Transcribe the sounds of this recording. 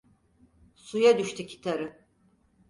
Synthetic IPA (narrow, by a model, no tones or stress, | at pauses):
sujad̪yʃt̪ʰycʰi̥t̪ʰaɾɯ